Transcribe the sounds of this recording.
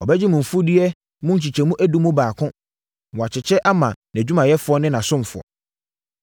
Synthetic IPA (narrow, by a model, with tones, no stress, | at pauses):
ɔ˨bɛ˦d͡ʑɪ˦mʊ̃˨m̩˨fu˦di˦ɛ˦ | mʊ̃˦ɲ̩˦t͡ɕi˨t͡ɕʰɛ˨mũ˦ʔæ˦du˦mʊ̃˦baː˨kʰʊ̃˦ | mɔ̃˨a˨t͡ɕʰɪ˨t͡ɕʰɛ˦ʔa˦mã˨n˨æ˨d͡ʑᶣu˦mã˨jɛ˦fʊ˨˦ɔ˦nɪ̃˦nã˨sʊ̃˦m˨fʊ˨ɔ̰˨